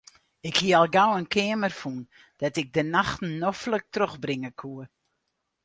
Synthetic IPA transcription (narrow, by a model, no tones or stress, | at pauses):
ɪkhiəɔlˠɡawənkʰɪːəmərfun | d̥ɔtɪɡ̚dənaxtn̩ːɔflək̚trøxbrɪŋəkʰuə